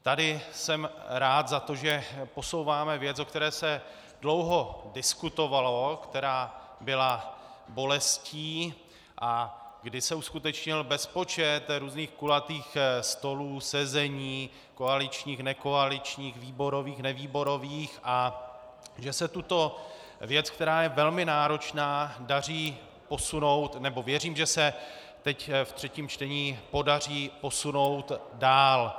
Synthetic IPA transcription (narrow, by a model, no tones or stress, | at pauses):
t̪adɪsɛmɾaːt̪zat̪o̞ʒɛpo̞so̞wvaːmɛvjɛt͡sokt̪ɛɾɛːsɛ | dlo̞wɦo̞dɪskut̪o̞valo̞kt̪ɛɾaːbɪlabo̞lɛsciː | ʔaɡdɪsɛuskut̪ɛt͡ʃɲɪlbɛspo̞t͡ʃɛt̪ɾuːzniːxkulat̪iːxst̪o̞luːsɛzɛɲiː | koalɪt͡ʃɲiːxnɛko̞alɪt͡ʃɲiːxviːbo̞ɾo̞viːxnɛviːbo̞ɾo̞viːxʔa | ʒɛsɛt̪ut̪o̞vjɛt͡skt̪ɛɾaːjɛvɛlmɪnaːɾo̞t͡ʃnaːdar̝iː | po̞suno̞wt̪nɛbo̞vjɛriːmʒɛsɛ | t̪ɛcft̪r̝̥ɛciːmt͡ʃt̪ɛɲiːpo̞dar̝iːpo̞suno̞wt̪daːl